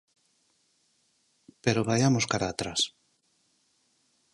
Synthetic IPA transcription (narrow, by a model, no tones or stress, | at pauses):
peɾoβajamoskaɾaːt̪ɾas